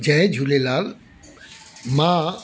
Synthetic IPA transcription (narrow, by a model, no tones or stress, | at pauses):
d͡ʒɛẽd͡ʒʱulelaːl | mã